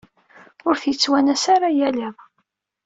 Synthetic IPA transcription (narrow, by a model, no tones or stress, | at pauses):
ʊɾθjət͡sːwænæsaɾajælɪðˤ